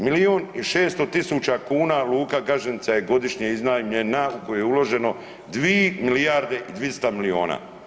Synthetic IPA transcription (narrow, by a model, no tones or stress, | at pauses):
milioniʃe̞ːst̪ot̪isuːt͡ɕakuːnaluːkaɡaʒenit̪sajeɡo̞d̪iʃɲeiznajimɲenaukojujeulo̞ʒe̞no̞ | d̪ʋiemilijaɾd̪e̞ʔid̪ʋist̪amilio̞̰ːna̰